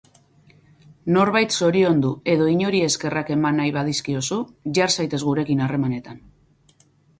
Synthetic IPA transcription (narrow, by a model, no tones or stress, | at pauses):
no̞ɾβajt̪so̞ɾio̞nd̪ue̞ðo̞iɲo̞ɾie̞ske̞rake̞manːajβað̞iskio̞suʝaɾsajt̪e̞zɣuɾe̞kinare̞mane̞t̪an